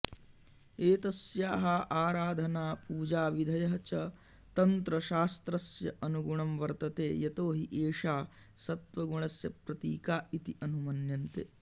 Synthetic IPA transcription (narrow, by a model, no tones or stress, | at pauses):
eːt̪ɐsjaːɦɐʔaːɾaːd̪ʱɐnaːpuːd͡ʒaːʋid̪ʱɐjɐɦɐt͡ʃɐ | t̪ɐnt̪ɾɐʃaːst̪ɾɐsjɐʔɐnuɡuɳɐmʋɐɾt̪ɐt̪eːjɐt̪oːɦiʔeːʂaː | sɐt̪ʋɐɡuɳɐsjɐpɾɐt̪iːkaːit̪iʔɐnumɐnjɐnt̪ḛː